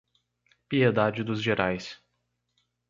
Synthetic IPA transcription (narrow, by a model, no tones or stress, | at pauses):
pied̪ad͡ʒɪd̪ʊzʒeɾʔajs